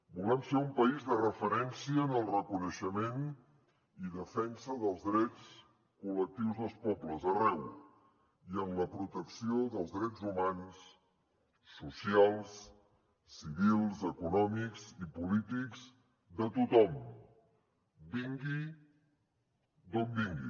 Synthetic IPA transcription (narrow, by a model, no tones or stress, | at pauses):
bulɛmfeumpəizðərəfəɾɛnsiəːnəlˠrəkunəʃəmen | iðəfɛnsəðəlˠzðɾɛt͡s | kulək̚t̪iwzðəlˠspɔbləzərɛw | iənləpɾut̪əksioðəlˠzðɾɛd͡zumans | usialˠs | siβilˠzəkunɔmikzipulit̪ikz | d̪ət̪ut̪ɔm | biŋɡi | d̪ɔmbiŋɡḭ